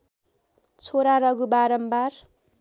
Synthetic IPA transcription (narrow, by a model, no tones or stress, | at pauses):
t͡sʰoɾaɾʌɡubaɾʌmbar